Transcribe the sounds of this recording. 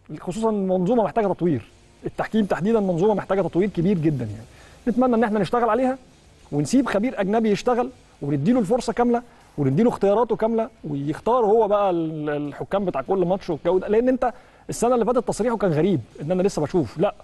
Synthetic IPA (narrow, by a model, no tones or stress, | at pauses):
xosuːsˤɑnmɑnzˤuːmɑmeħt̪æːɡæt̪ɑt̪ˤwiːɾ | ʔet̪ːaħkiːmt̪aħd̪iːd̪ænmɑnzˤuːmɑmeħt̪æːɡæt̪ˤɑt̪ˤwiːɾkebiːɾɡed̪ːænjaʕninet̪mænːæʔenːʔeħnæneʃt̪æɣælʕaleːhæ | wensiːbxæbiːɾʔæɡnæbijeʃt̪æɣæl | wenebd̪ːiːlolf̬oɾsˤɑkæmlæ | wened̪iːloxt̪ejɑːɾˤɑːt̪okæmlæwejext̪ɑːɾˤhowːæbæʔæelħokːæːmbet̪aːʕkolːmɑtʃweɡæwid̪æleʔenːʔent̪æ | ʔesːænæʔlːifæːt̪æt̪ːɑsˤɾiːħokæːnɣæɾiːb̚ʔenːʔænælesːæbæʃuːflæʔ